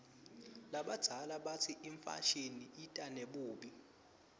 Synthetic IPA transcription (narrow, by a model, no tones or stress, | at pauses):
laɓad̥d̥ʱalaɓatʰiʔiɱfa̰ʃiniʔitʼaneɓuːɓi